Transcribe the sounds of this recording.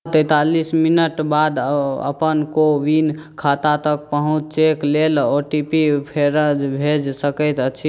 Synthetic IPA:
t̪əjt̪alisminəʈbad̪ə̰pənkoʋinkʰat̪at̪ək̚pəɦũt͡ʃt͡ʃeklelɔʈipipʰeɾəd͡ʒbʱed͡ʒsəkəjt̪ət͡ʃʰi

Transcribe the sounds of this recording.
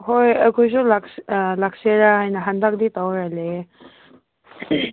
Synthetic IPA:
ɦojɐkʰujzulaklakseɾaɦajnaɦandak̚d̪itawɾale

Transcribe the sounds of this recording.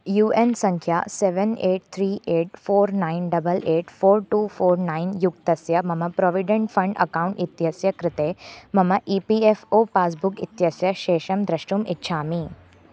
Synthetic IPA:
juːʔensɐ̃ŋkʰjaːseʋeneːʈ̚t̪ʰɾiːʔeːʈ̚foːɾnaːinɖɐbɐlʔeːʈfoːɾʈuːfʰoːɾnaːinjukt̪ɐsjɐmɐmɐpɾɔːʋiɖeɳʈfʰɐɳɖɐ̰kaːũɳʈit̪jɐsjɐkɾɪt̪eːmɐmɐʔiːpiefoːpaːs̬bukḭt̪jɐsjɐʃeːʃɐmd̪ɾɐʃʈumɪtːʃʰaːmiː

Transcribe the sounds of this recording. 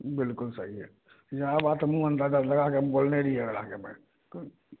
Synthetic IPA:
bɪlkʊlsəɦiɦɛ̰ | d͡ʒaabaːt̪mũə̃nd̪ad̪alɐɡakemboːlneɾiɦɛɡla̰kemɛ̰̃ | k

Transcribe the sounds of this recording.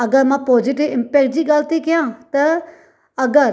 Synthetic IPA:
ɐɡəɾmãːpoːd͡ʒɪʈɪʋɪ̃mpeːk̚ʈ̚d͡ʑiːɡaːlt̪ikɪjãːt̪ɐ | ɐɡəɾ

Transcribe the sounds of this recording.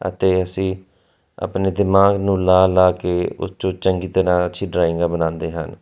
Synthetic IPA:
ə̰t̪eːəsĩː | ə̰pneːd̪ɪmaːɡnũːlaːlaːkeːʊ̰st͡ʃõːt͡ʃəŋɡiːt̪əɾãːəʃʰiːɖɾaːɪ̃ŋɡaːbənãːnd̪eːɦə̰n

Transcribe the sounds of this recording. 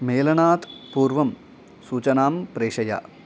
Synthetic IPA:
meːlɐɳaːt̪puːrʋɐm | suːt͡ɕɐnaːmpɾeːʂɐja̰ː

